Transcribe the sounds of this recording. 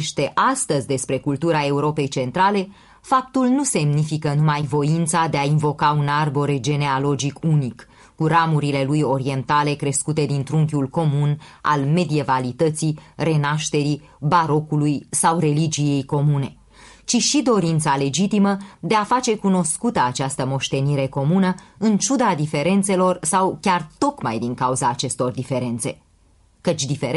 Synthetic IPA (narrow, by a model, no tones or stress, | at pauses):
ʃt̪e̞ʔast̪əzʲd̪e̞spɾe̞kult̪uɾae̞uɾo̞pe̞jt͡ʃe̞nt̪ɾale̞ | fap̚t̪ulnuse̞mnifikənumajvo̞int̪sad̪e̞ainvo̞kaunarbo̞ɾed͡ʒe̞ne̞alo̞d͡ʒikunikː | uɾamuɾile̞lujo̞ɾie̞nt̪ale̞kɾe̞skut̪e̞d̪int̪ɾuŋkʲulko̞muna̰lme̞d̪ie̞valit̪ət̪sire̞naʃt̪e̞ɾi | baɾo̞kulujsawre̞lid͡ʒije̞jko̞mune̞ | t͡ʃiʃid̪o̞ɾint̪sale̞d͡ʒit̪iməd̪e̞afat͡ʃe̞kuno̞skut̪əat͡ʃast̪əmo̞ʃt̪e̞niɾe̞ko̞munəɨnt͡ʃud̪ad̪ife̞ɾe̞nt̪se̞lo̞rsawkʲart̪o̞kma̰jd̪iŋkauzaːt͡ʃe̞st̪o̞rd̪ife̞ɾe̞nt̪se̞̰ | kət͡ʃʲd̪ife̞ɾ